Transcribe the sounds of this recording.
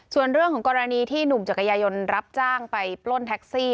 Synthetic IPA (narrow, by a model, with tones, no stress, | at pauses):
su˨˩ənɾɯ˥˩əŋkʰɔː˩˦ŋkɔː˧ɾa˧niː˧t̪ʰiː˥˩nu˨˩mt͡ɕa˨˩ka˧jaː˧jo˧nɾa˦˥p̚t͡ɕaː˥˩ŋpa˧jplo˥˩nt̪ʰɛ˦˥k̚siː˥˩